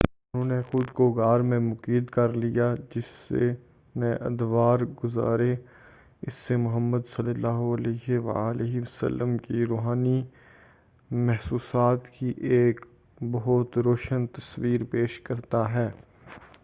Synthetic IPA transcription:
ʊnɦõːnexʊd̪koɡaːɾmẽmʊkiːd̪kɐɾlijad͡ʒɪsːḛ | nɛ̃ʔɐ̰d̪ʋaːɾɡʊza̰ːɾe | ɪsːemʊɦəmːəd̪sɐlːəlːaːɦoɐleɦeʋa̰leɦiʋɐsə̰lːəmkiɾoːɦaːni | mɛɦsuːsaːt̪kiʔeːk | bɐɦʊt̪ɾoːʃənt̪ɐsʋiːɾpeːʃkɐɾt̪aɦɛː

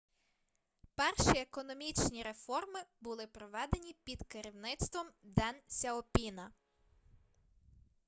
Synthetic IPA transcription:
pɛrʃiekɔnɔmʲit͡ʃnʲiɾe̞fɔrmɪbʊlˠɪpɾɔʋɛd̪e̞nʲipʲid̪keɾʲiwnɪt̪st̪ʋɔmd̪ɛnsʲɐɔpʲinɐ

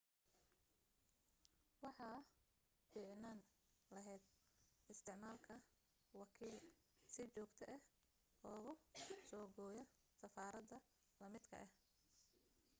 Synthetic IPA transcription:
wɑħɑː | fiːʕnaːn | lɐɦɛjd̪̚ɪst̪ʰɪʕmaːlkʰɐ | wɑkʰiːl | sɪt͡ʃɔːɡt̪ʰɐʔɛh | ɔːɣʊsɔːɡɔːjɐ | sɐfaːɾɐd̪ɐ | lɐmɪd̪kʰɐ̰ʔɛh

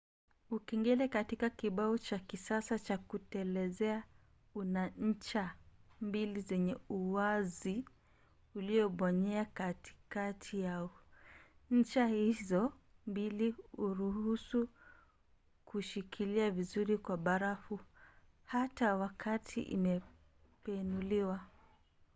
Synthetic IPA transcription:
ukɛŋɡɛlɛkatikakiɓaɔt͡ʃakisasat͡ʃakutɛlɛzɛa | unaɲ̩t͡ʃambilizɛɲɛuwazi | uliɔɓɔɲɛakati̥katʰijaɔ | ɲ̩t͡ʃahizɔ | mbiliuɾuhusu | kuʃikʰiliavizuɾikwaɓaɾafu | hatawakʰatʰḭʔḭmɛ | pɛnuliwa

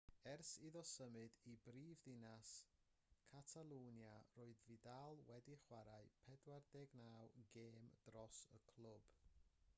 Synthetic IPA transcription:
ɛrsiðɔsəmɨdibriːvðɪnas | kʰatʰalˠuːnjaroːɨðvidalˠwɛdiχwaɾaɨpʰɛdwardeːɡnawɡeːmd̥rɔsəkʰl̥ˠʊb̥

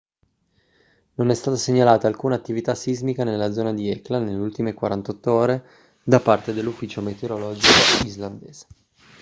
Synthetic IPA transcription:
nonɛst̪aːt̪aseɲːalaːt̪aːlkuːnaːt̪ːivit̪asizmikanelːad̪zɔːnad̪iɛklanelːeult̪imekwaɾant̪ɔt̪ːooːɾe | d̪apːart̪ed̪elːufːiːt͡ʃomet̪eoɾolɔːd͡ʒikoizland̪eːz̥e̥

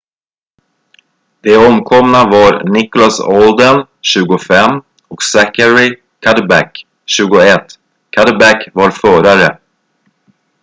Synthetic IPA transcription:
d̪ɛɔmkʰɔmnavaɾnɪkʊlasɔld̪ən | ɕʉ̟ːɡʊfɛmː | ɔksækəɾɪ | kʰad̪abæ̰k | ɕʉ̟ːɡʊɛt̪ː | kʰːad̪əbækvaɾfœːɾaɾə

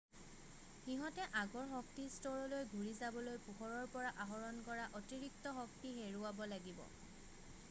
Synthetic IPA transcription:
xiɦɔtɛʔaɡɔɹxɔk̚tistɔɹɔlojɡʱuɹizabɔlojpuxɔɹɔɹpɔɹaʔaɦɔɹɔnkɔɹaʔɔtiɹik̚tɔxɔk̚tiɦeɹʊabɔlaɡibɔ̰

